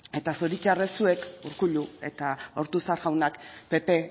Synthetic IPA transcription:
e̞t̪asoɾit͡ʃaresue̞kuɾkuʎue̞̰t̪ao̞ɾt̪usaɾɣawnakpe̞pe̞

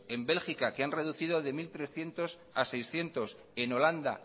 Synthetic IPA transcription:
e̞mbe̞lxikakeanre̞ðuθið̞o̞ðe̞milt̪ɾe̞sθje̞nt̪o̞s | ase̞jsθje̞nt̪o̞s | e̞no̞land̪a̰

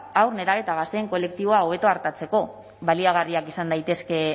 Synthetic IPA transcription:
awɾne̞ɾaβe̞t̪aɣast̪eːŋko̞le̞k̚t̪iβo̞ao̞β̞e̞t̪o̞aɾt̪at͡se̞ko̞ | βaliaɣ̞ariakisand̪ajt̪e̞ske̞

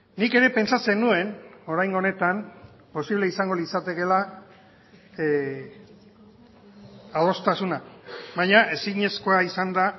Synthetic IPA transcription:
nike̞ɾe̞pe̞nt͡sat͡se̞nue̞no̞ɾajŋɡone̞t̪am | po̞siβleisaŋɡo̞lisat̪e̞ke̞la | aðo̞st̪asunaβaɲaʔe̞siɲe̞sko̞aisand̪a

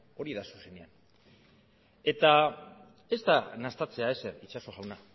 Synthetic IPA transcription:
o̞ɾiðasu̥se̞nean | e̞t̪a | e̞st̪anast̪at͡se̞ae̞se̞ɾit͡ʃaso̞ɣawna

